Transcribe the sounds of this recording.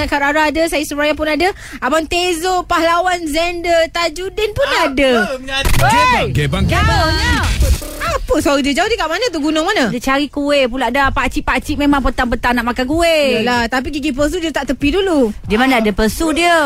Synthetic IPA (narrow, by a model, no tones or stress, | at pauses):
akat̪aɾaɦadəsajəsuɾajaŋpʊnadə | abant̪ezopahlawanzɛndət̪ad͡ʒudɛnpunadə | d͡ʒɡebaŋa | apəsuaɾidiəd͡ʒaodiəkaʔmanat̪̬uɡunʊŋmanadət͡ʃaɾikuweʔpulaʔdaapat͡ʃipat͡ʃiʔmemãŋpət̪aŋpət̪aŋnaʔmakanɡueəlat̪ap̬iɡiɡip̬əs̬udiət̪aʔt̪əpiduludiəmanaadəpəsudiə